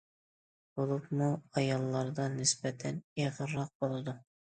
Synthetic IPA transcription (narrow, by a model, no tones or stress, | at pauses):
b̥olˠupmuɑjɑlˠːɑɾd̪ɑnɪsbɛt̪ʰɛneʁəɾːɑq̚bolˠɨd̪u